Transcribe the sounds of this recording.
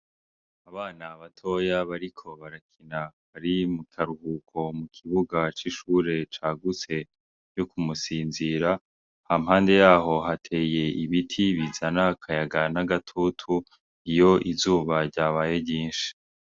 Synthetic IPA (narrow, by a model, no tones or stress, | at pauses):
aβaːnaβatʰo̞jaβaɾikʰo̞βaɾakʰina | aɾimukʰaɾuhukʰo̞mukʰiβuɡat͡ʃiʃuːɾe̞t͡ʃaːɡut͡se̞ | jokumusiːnziɾa | hamhaːnde̞jaːɦo̞ɦatʰe̞ːje̞iβitʰiβizanakʰajaɡanaɡatʰutʰu | ijo̞ʔizuːβaɾɟaːβaːjeɟiːnʃi̥